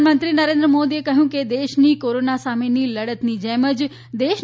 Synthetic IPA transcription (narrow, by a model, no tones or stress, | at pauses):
mənt̪ɾinəɾẽnd̪ɾəmod̪iekəɦjũked̪eʃnikoɾonasameniləɽət̪nid͡ʒɛməd͡ʒ | d̪eʃ